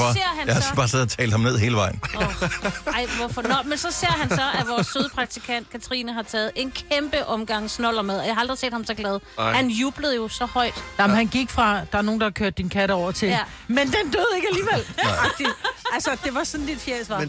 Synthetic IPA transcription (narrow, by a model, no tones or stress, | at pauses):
seɐ̰hænjɑɑb̥ɑ̈ːseð̰ˠɐt͡sʰɛ̰ːld̥hɑ̈mne̝ð̰ˠɦe̝ːləʋɑ̈ɪ̰n̩ | ɑ̈ɪ̰ʋɔfɒnɒmensɒ̽se̝ɐ̰ɦænsɒ̽ʔæʋɒːsːøð̞ˠpʰʁɑ̈ɡ̥̚t͡sʰikʰænd̥kʰæt͡sʰʁinəɦɑ̈t͡sʰɛːð̞̩ˠe̝nkʰemb̥əʔɒ̽mɡ̥ɑ̈ŋ̰snɒlɐmeðˠɒjɑhɑɑld̥ʁise̝̰ːd̥hɑ̈msɒ̽ɡ̥lɛð̞ˠhænjuːb̥ləð̩ˠjo̝sɒ̽hɒ̽ɪ̰d̥nɑmhænɡ̥iɡ̥fʁɑ̈d̥ɑæɐno̝ːnd̥ɑ̈hɑ̈kʰøɐ̰d̥ːinkʰæɾəɒʊ̰ɐt͡sʰe̝l | mend̥end̥øð̞ˠe̝ɡ̥æliːʋel̰ʁɑɡ̥̚d̥i̥ælsɐd̥e̝ʋɑ̈sɒ̽n̩did̥fjesʋɑ